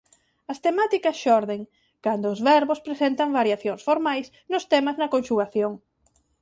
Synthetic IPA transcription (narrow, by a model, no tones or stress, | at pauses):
ɐst̪emat̪ikɐsʃɔɾðeŋ | kand̪ʊːzβɛɾβʊspɾesent̪ɐŋβaɾjaθjoŋsfoɾmajs | nʊst̪emɐznɐkonʃuɣaθjoŋ